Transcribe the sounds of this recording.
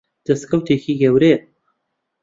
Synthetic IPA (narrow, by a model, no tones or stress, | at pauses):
d̪̥ɐskʰɐwt̪ʰeːçiːɡɐwɾeː